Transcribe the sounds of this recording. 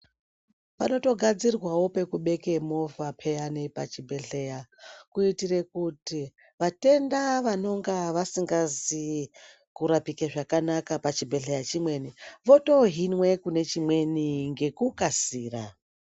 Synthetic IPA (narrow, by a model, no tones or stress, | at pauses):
pano̞to̞ɡʱad͡zirwawo̞pe̞kuɓe̞ke̞mo̞vapʰe̞janipa̰t͡ʃibʱe̞ɬe̞jakuitire̞kuti | ʋate̞ndaʋano̞ŋɡaʋasiŋɡazi | kuɾapikeʐakanakapat͡ʃibʱe̞ɬejat͡ʃimwe̞niʋo̞to̞ɦinwe̞kune̞t͡ʃimwe̞niŋɡe̞kukasiːra